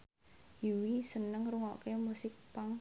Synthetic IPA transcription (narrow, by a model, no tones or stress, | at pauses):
jiwisənəŋruŋɔkemusɪk̚paŋ